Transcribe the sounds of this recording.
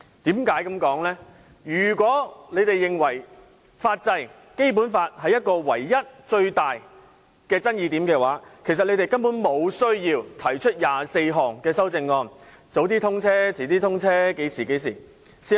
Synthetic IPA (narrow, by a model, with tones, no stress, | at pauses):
t̪iː˨˥mkaː˨˥jkɐ˨˧mkɔː˨˥ŋlɛː˥ | jyː˨˩kʷɔː˨˥le˨˧t̪e˨jːɪ˨˩ŋwɐ˨˩j | faː˧t̚t͡sɐ˧j | ke˥jp̬u˨˥nfaː˧t̚hɐ˨jɐ˥t̚kɔː˧wɐ̰˨˩jːɐ˥t̚t͡ʃɵ˧ɥt̪aː˨j | kɛː˧t͡sɐ˥njiː˨˧t̪iː˨˥mkɛː˧waː˨˥kʰe˨˩jsɐt̚le˧te˨˩jkɐ˥npu˨˥nmo˨˧wsɵ˥ɥjiː˧wt̪ʰɐ˨˩jt͡ʃʰɵ˥t̚jaː˨se˧jɦɔː˨˩ŋkɛː˧sɐ˥wt͡sɪ˧ŋːɔː˧n | t͡so˨˥wt̪iː˥t̪ʰʊ˥ŋt͡sʰɛː˥t͡sʰiː˨˩t̪iː˥t̪ʰʊ˥ŋt͡sʰɛː˥ke˨˥jt͡sʰiː˨˩ke˨˥js̬ḭː˨˩ | si˨˧˥